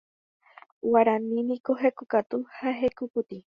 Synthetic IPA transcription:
waɾanĩnĩkoɦekukat̪uhaɦekuput̪i

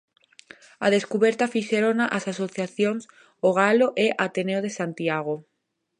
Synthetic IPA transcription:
aðeskuβeɾt̪afiʃeɾonaʔasasoθjaθjoŋs | oɣ̞aloʔeʔat̪eneoð̞esant̪iaɣo

